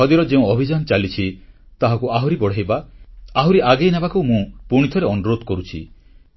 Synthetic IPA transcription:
ɔd̪iɾɔd͡ʒeũɔbʱid͡ʒanɔt͡ʃalit͡ʃʰi | t̪aɦakuaɦuɾibɔɽ̤ajbaaɦuɾiʔaɡejnabakuwmũpuɽ̃it̪ʰɔɾeɔnuɾod̪ʱɔkɔɾut͡ʃʰḭ

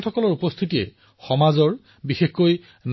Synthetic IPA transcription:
tʰɔkɔlɔɹupɔst̪ʰitiɛ̰ | xɔmazɔɹ | bixexkoj | n

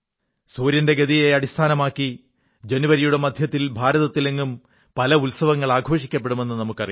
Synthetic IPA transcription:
suːɾjɐnde̞ɡɐðijeɐɽist̪ʰaːnɐmaːkːi | d͡ʑe̞nuʋɐɾijuɽe̞mɐd̪ʱjɐt̪ːilbʱaːɾɐðɐt̪ːileŋɡum | pɐlɐulsɐʋɐŋːɐɭaːɡʱo̞ːʂikʲːɐpːeɽume̞nːɨnɐmukːɐri

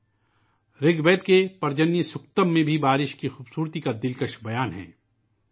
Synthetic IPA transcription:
ɾɪɡbeːt̪̚kepɐɾd͡ʒənːisʊkt̪əmːẽbʱibaːɾɪʃkixuːbsuːɾt̪ikad̪ɪlkəʃbɐjaːnɦɛ̰ː

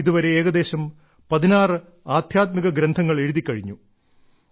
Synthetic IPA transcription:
iðuʋɐɾe̞eːɣɐd̪e̞ːɕɐm | pɐðinaːrɨ | aːd̪ʱjaːt̪̚miɣɐɡɾend̪ʱɐŋːɐɭe̞ɻuðikʲːɐɻiɲːu

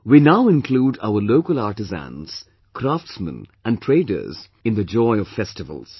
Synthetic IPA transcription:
winaʊɪ̃nkʰluːɖa̰ʊəloʊkəlaɹʈɨzæ̰̃nz̥ | kʰɾaftsmə̰̃næ̃ntʰɹ̥eɪdə̰˞z | ɪ̃nd̪əd͡ʒɔɪɔv̥fɛstɪvə̰lˠz̥

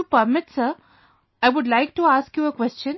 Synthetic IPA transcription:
upəɾmɪʈsəɾ | aɪʋʊɖlaɪk̚ʈuaːskjuəkʋɛst͡ʃə̃n

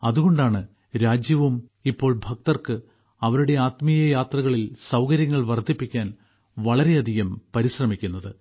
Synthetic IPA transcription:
ɐðuɣo̞ɳɖaːɳɨ | ɾaːd͡ʑjɐʋumipːo̞ːɭbʱɐk̚t̪ɐrkɨ | ɐʋɐɾuɽe̞aːt̪mijɐjaːt̪rɐɣɐɭilsɐwkɐɾjɐŋːɐɭʋɐrd̪ʰʱːipːikʲːaːn | ʋɐɭɐɾe̞ɐd̪ʱijɐmpɐɾiɕrɐmikʲːunːɐðɨ

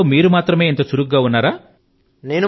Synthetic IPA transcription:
omiːɾumaːt̪ɾɐme̞ːint̪ɐt͡ʃuɾuk̚ɡaːunːaːɾaː | ne̞ːnu

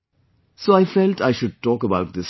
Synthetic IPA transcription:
soːaɪfɛlʈʰaɪʃʊɖ̚ʈɔːkəbaʊʈ̚d̪ɪs

